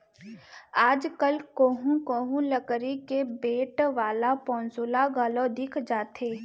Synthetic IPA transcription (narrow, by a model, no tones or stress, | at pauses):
aːd͡ʒkəlkoːɦũkoːɦũləkɾikebeːʈʋaːlapɔ̃ːnsoːlaɡaːlõd̪ɪkʰd͡ʒaːt̪ʰeː